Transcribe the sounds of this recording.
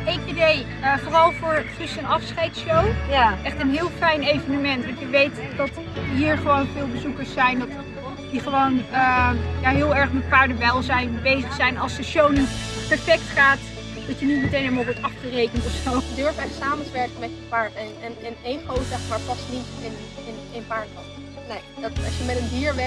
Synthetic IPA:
ɪkidej | əfoːrɑlˠvʊːɹχrɪstənɑfsχɛjtsowjʔɛχtənɦɪːlˠfɛjnejvənəmɛntʋɔjəʋejtdɑt | ɦiːɹχəʋownvɪːlˠbəzukəɹsɛjndɑt | diχəʋownəjaːɦɪːlˠɛɹχmɛtpaːɹdəʋɛlˠzɛjnbejzəχsɛjnɑlˠsdəʃownitpɛɹfɛktχaːt | d̥ɑtjənitmətejnɦemalˠʋɔɹtɑfχərejkəntɔfsowədøɹfɛsaːməntəʋɛɹkənmɛtəpaːɹtɛnɛnənejχowzɛχmaːɹpɑsnitɪn | ɪnenpaːɹɔn | ne | dtɑsjəmɛtəndiːɹʋɛ

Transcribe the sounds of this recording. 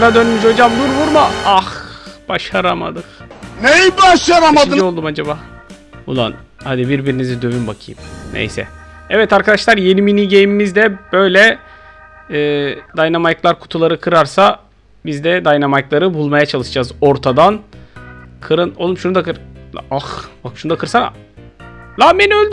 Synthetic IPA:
ɾad̪ønymizo̞d͡ʒamd̪uɾvuɾmaaxb̥aʃaɾama̰d̪ɯknejibaʃlˠjamamaɯiolˠd̪umad͡ʒabaː | ṵlˠa̰n | had̪ibiɾbiɾinizid̪ø̞vynbakʰɯ̰jɯ̰mnʔḛjsɛ̰ | ɛvɛt̪aɾkʰad̪aʃlˠaɾjeniminiɟejmimizd̪ɛb̥ø̞jlʲɛ | ɛːd̪ajnamajklˠaɾkʰu̥t̪ʰulˠaɾɯkʰɯɾaɾsa | bizd̪ɛd̪ajnamajklˠaɾɯbulˠmajat͡ʃʰalˠɯʃɯd͡ʒazo̞ɾt̪ʰad̪an | kʰɯɾɯnolˠumʃunud̪akɯɾaxbakʃunud̪akʰɯɾsan | lˠameniø̞lʲd̪y

